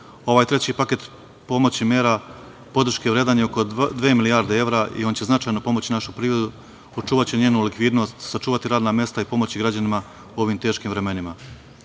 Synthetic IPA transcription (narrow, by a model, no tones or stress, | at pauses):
o̞ʋaːjt̪ɾe̞t͡ɕipake̞t̪ | po̞mo̞t͡ɕimʲjeːɾa | po̞d̪ɾ̩ʃkeʋɾe̞ːd̪aːɲeoko̞d̪ʋe̞ːmiliaːɾd̪ee̞ʋɾaʔḭo̞nt͡ɕe̞znat͡ʃajno̞po̞mo̞t͡ɕinaʃupɾiːʋɾe̞d̪u | ot͡ʃuːʋat͡ɕeɲe̞ːnulikʋiːd̪no̞st̪sat͡ʃuːʋat̪iɾaːd̪naːmje̞st̪aipo̞mo̞t͡ɕiɡɾad͡ʑanima | uo̞ʋimt̪e̞ːʃkiːmʋɾe̞me̞nima